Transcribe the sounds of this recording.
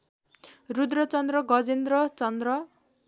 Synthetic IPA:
rud̪rʌt͡sʌnd̪rʌɡʌd͡zend̪rʌt͡sʌnd̪rʌ

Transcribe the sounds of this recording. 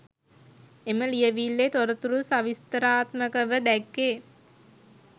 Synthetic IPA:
eməlijəʋilːet̪oɾət̪uɾusaʋist̪əɾaːt̪məkəʋəd̪ækːeː

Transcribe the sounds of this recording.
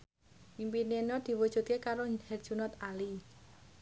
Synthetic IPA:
impinenɔd̪̥i̤wud̥ʒ̥ṳt̪̚kekaɾohɛrd̥ʒ̥unɔt̪ali

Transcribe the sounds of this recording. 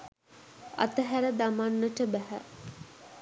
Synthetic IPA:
a̰t̪əɦæɾəd̪amanːəʈəbæɦæ̰

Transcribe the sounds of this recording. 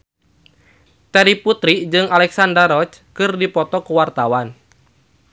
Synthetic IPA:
t̪ɛɾiput̪ɾid͡ʒɨŋalɛksandərɾɔt͡ʃ | kɨrdipɔt̪ɔkuwart̪awan

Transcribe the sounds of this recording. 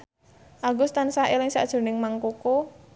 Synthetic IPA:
ʔaɡʊst̪ansaɦelɪŋsa̰ʔd̥ʒ̥ʊ̤rnɪŋmaŋkoko

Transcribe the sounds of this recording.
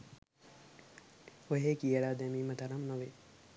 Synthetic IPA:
oɦeːkijəɽaːd̪ɛmiːmət̪ɐɾɐmnoʋe

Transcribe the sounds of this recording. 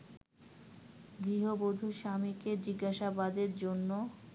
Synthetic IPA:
ɡɾiɦobod̪ʱuʃamiked͡ʑiɡːaʃabad̪eɾd͡ʑonːo

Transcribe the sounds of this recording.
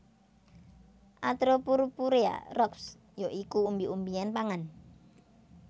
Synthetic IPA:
ʔat̪ɾopuɾupuɾea̰rɔks | joʔikuːmbiʔumbianpaŋan

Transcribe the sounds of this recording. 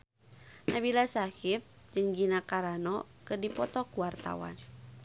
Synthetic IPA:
nabilasakɪp̚ | d͡ʒɨŋɡinakaɾanɔkɨrdipɔt̪ɔkuwart̪a̰wa̰n

